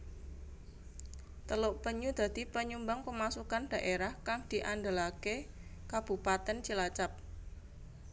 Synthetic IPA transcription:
t̪əloʔpəɲud̪̥ä̤d̪̥i̤pəɲumbaŋpəmasukanɖ̥ä̤ʔeɾahkaŋd̪̥i̤ʔandəlakekab̥ṳpat̪ɛnt͡ʃilat͡ʃap̚

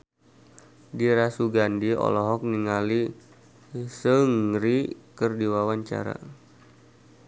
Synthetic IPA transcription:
diɾasuɡandiɔ̰lɔɦɔk̚niŋali | səŋrikərdiwawaɲt͡ʃa̰ɾa̰

